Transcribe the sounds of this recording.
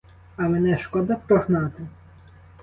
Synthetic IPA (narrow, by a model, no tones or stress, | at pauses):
ɐmenɛʃkɔd̪ɐpɾɔɦnɑt̪ɪ